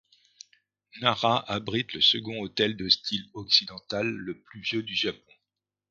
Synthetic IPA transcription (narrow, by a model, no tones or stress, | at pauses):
naʁaʔabʁit̪ləsəɡɔ̃ot̪ɛld̪əst̪ilɔksid̪ɑ̃t̪alːəplyvjød̪yʒapɔ̃